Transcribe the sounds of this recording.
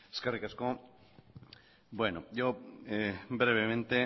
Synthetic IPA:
e̥skarikasko | bwenojoebɾeβ̞emẽnt̪e

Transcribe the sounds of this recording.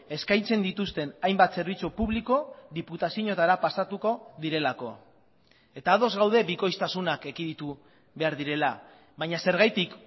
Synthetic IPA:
e̞skajt͡se̞nd̪it̪ust̪e̞najmbat̪se̞ɾβ̞it͡supuβliko̞ðiput̪asiɲo̞t̪aɾapasat̪uko̞ðiɾe̞lako̞ | e̞t̪aːðo̞zɣawð̞e̞biko̞jst̪asunakekiðit̪u | βe̞aɾðiɾe̞la | βaɲase̞ɾɣ̞ajt̪ik

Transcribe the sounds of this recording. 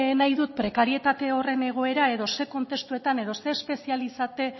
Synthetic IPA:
najðut̪̚pɾe̞kaɾie̞t̪at̪e̞o̞re̞ne̞ɣ̞o̞e̞ɾae̞ðo̞se̞ko̞nt̪e̞st̪ue̞t̪ane̞ð̞o̞se̞ːspe̞sialisat̪e̞

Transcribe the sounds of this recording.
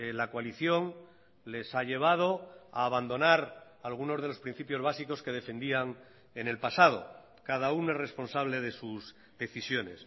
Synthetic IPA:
lakwaliθjo̞ŋ | le̞saʎe̞β̞að̞o̞aːβand̪o̞naɾ | alɣ̞uno̞zð̞e̞lo̞spɾin̟θipjo̞zβasiko̞ske̞ð̞e̞fẽ̞nd̪iaŋ | ene̞lpasað̞o̞̰ | kað̞aunoere̞spo̞nsaβle̞ðe̞suz | ðe̞θisjo̞ne̞̰s

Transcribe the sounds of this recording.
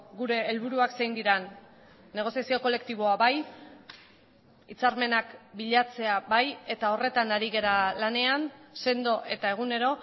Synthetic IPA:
ɡuɾe̞ːlβuɾuaksejnd̪iɾanː | e̞ɣ̞o̞siasio̞ko̞le̞kt̪iβ̞o̞aβaj | it͡saɾme̞nakbiʎat͡se̞abaje̞t̪ao̞re̞t̪anaɾiɣe̞ɾalane̞anse̞nd̪o̞ʔe̞t̪ae̞ɣ̞une̞ɾo̞

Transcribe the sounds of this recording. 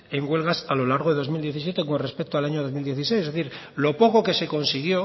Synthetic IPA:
e̞ŋɡwe̞lɣasalo̞laɾɣoðeðo̞zmild̪jeθis̬je̞t̪e̞ko̞nre̞spek̚t̪oalaɲo̞ðo̞mild̪je̞θis̬ejsezðeθiɾ | lo̞po̞ko̞ke̞se̞ko̞nsiɣjo̞

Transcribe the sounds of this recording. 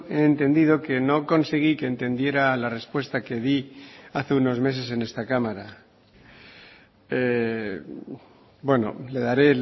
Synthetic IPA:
e̞ːnt̪e̞nd̪ið̞o̞ke̞no̞ko̞nseɣ̞ike̞ːnt̪e̞nd̪je̞ɾalare̞spwe̞st̪ake̞ðiaθeuno̞zme̞s̬e̞se̞ne̞st̪akamaɾa | e | bwe̞no̰le̞ðaɾe̞

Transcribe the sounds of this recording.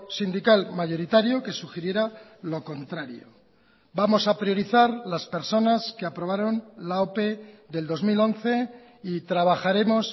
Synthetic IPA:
sind̪ikalmaʝo̞ɾit̪aɾjoke̞suxeɾje̞ɾalo̞ko̞nt̪ɾaɾjo̰ | bamo̞sapɾjo̞ɾiθaɾlaspe̞ɾso̞naskeapɾo̞β̞aɾo̞nlao̞pe̞ðe̞ld̪o̞zmilo̞nθe̞ | it̪ɾaβ̞axaɾe̞mo̞s

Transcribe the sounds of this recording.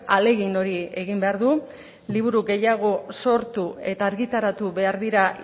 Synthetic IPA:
ale̞ɣino̞ɾie̞ɣimbe̞aɾðu | liβ̞uɾuɡe̞jaɣ̞o̞so̞ɾt̪ue̞t̪aːɾɣit̪aɾat̪uβe̞aɾðiɾa

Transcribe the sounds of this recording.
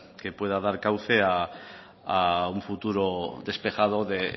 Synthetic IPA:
ke̞pwe̞ðaðaɾkawθea | auɱfut̪uɾod̪espe̞xað̞o̞ðe

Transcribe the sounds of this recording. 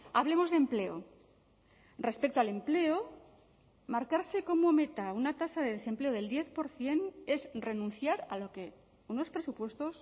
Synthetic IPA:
aβ̞le̞mo̞zðe̞mple̞o̰ | re̞spe̞k̚t̪oale̞mple̞o | maɾkaɾse̞ko̞mo̞me̞t̪aunat̪asaðeðe̞se̞mple̞oð̞e̞ld̪je̞θpo̞ɾθje̞ne̞zre̞nũn̟θjaɾaloke̞ | uno̞spɾe̞supwe̞st̪o̞s

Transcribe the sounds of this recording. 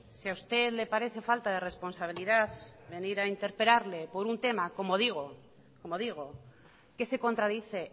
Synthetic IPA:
siawst̪e̞ðle̞paɾe̞θe̞falt̪að̞e̞re̞spo̞nsaβ̞iliðaθβe̞niɾaint̪e̞ɾpe̞laɾle̞po̞ɾunt̪e̞mako̞moðiɣ̞o | ko̞mo̞ð̞iɣ̞o̞ | ke̞se̞ko̞nt̪ɾaðiθe̞

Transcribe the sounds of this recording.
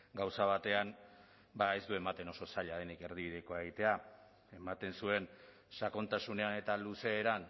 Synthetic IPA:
ɡawsaβ̞at̪e̞an | bae̞zd̪ue̞mat̪e̞no̞so̞saʎað̞e̞nike̞ɾðiβiðe̞ko̞eɣit̪e̞a | e̞mat̪e̞nsue̞n | sako̞nt̪asune̞ane̞t̪aluse̞ːɾan

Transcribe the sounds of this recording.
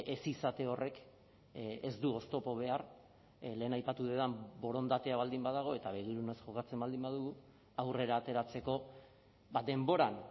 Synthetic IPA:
ʔesisat̪eo̞rʔe̞k | ezd̪uo̞st̪o̞po̞β̞e̞ar | le̞ːnajpat̪uðe̞ðambo̞ɾo̞nd̪at̪e̞aβ̞ald̪imbaðaɣ̞o̞e̞t̪aβe̞ɣiɾune̞sʝo̞kat͡se̞mbald̪imbaðuɣu | awre̞ɾaːt̪e̞ɾat͡se̞ko̞ | bad̪e̞mbo̞ɾan

